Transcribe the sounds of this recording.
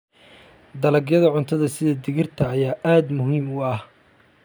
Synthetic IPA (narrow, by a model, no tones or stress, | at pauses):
d̪ɐlɐɡjɐðɐʕʊnt̪ʰɐðɐsɪðɐd̪ɪɣɪrt̪ʰɐːjaːʔaːd̪mʊɦiːmʊɐh